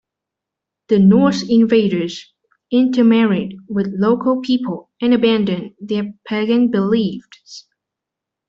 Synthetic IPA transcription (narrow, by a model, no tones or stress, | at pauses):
ðɨnɔɹsɪ̃nveɪɾə˞z | ɪ̃ntʰəmɛɹɪd̚wɪðloʊkʰəl̩ˠpʰipʰəl̩ˠ | ɨ̃nɨbæ̃ndɨ̃nðəpʰæɡɨ̃nbɪlifs